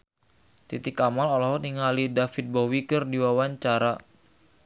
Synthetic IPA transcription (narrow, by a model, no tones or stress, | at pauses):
t̪it̪ikamalɔlɔɦɔniŋalidafit̪̚bɔwikərdiwawaɲt͡ʃaɾa